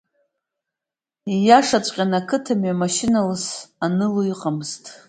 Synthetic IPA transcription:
ijaʂat͡ɕʷʼqʲʼanakʰɨtʰamɥamaʃɪnalɨsanɨluiqʼamztʼ

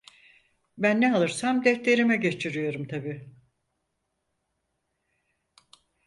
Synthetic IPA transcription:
bænːɛalˠɯɾsamd̪ɛt̪lʲe̞ɾimɛɟe̞t͡ʃʰiɾijo̞ɾumt̪ʰabiː

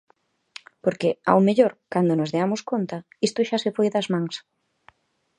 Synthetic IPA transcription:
poɾkea̰wmeʎoɾkand̪onozðeamoskont̪ɐ | ist̪ʊʃasefojðɐzmãŋs

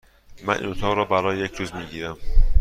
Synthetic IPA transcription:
mæ̰nʔḭnot̪ʰɒːɣɾɒːbæɾɒːjejecʰɾuːzmiːɟiːɾæm

